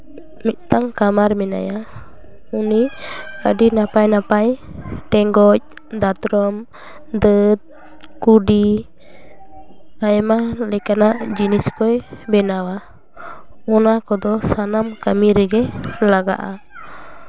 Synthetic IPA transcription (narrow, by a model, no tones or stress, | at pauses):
mɛʔ̪̚t̪aŋkamaɾmɛna̰ja | uniɾa̰dinapajnapajʈɛŋɡɔc̚ | d̪at̪ɾɔm | d̪ət̪̚ | kuɖi | ajɛmalɛkanaʔd͡ʒinɛskɔjbɛnawa | ɔnakɔd̪ɔsanamkamiɾɛɡɛlaɡa̰ʔa̰